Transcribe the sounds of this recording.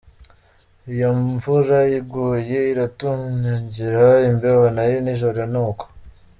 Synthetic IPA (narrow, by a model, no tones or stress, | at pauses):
ijoɱvuɾajiɡuje̞iɾatuɲɲaɲɟiɾaimbewonajiniʒoɾijanuːko̥